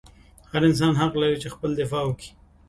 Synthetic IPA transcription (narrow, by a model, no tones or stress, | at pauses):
haɾɪns̬ɑnɦaqlaɾit͡ʃexpəld̪ɪfɑwəki̥